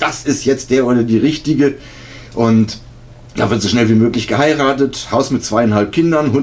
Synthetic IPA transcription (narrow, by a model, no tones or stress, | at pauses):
d̥asɪstjɛt͡std̥eːɐʔoːɾɐdiːʁɪçtɪɡə | ʔʊnt | d̥a̰ːvɪɐtz̥oʃnɛlviːmøːklɪçɡ̥əhaɪʁaːtəthaʊsmɪt̚t͡sv̥aɪɛnhɦalp̚kʰɪndɐnhʊ